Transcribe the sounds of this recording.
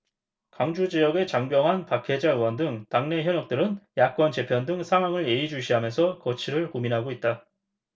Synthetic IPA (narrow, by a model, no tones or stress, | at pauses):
kaŋd͡ʑud͡ʑijʌɡe̞t͡ɕaŋbjʌŋɦanpakʰe̞d͡ʑaɯwʌndɯŋtaŋne̞çjʌnʌk̚t͈ɯɾɯnjak͈ʌnt͡ɕe̞pʰjʌndɯŋsʰaŋɦwaŋɯɭe̞id͡ʑuɕ̬ʰiɦamjʌnsʰʌkʌt͡ɕʰiɾɯɭkominɦaɡoit̚t͈a